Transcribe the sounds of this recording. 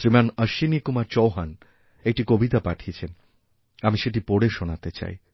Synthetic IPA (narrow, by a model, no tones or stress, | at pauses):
ɾimanəɾʃinikumat͡ɕowɦan | ek̚ʈikobit̪apaʈʰiet͡ɕʰen | amiʃeʈ̬ipoɽeʃonat̪et͡ɕa̰j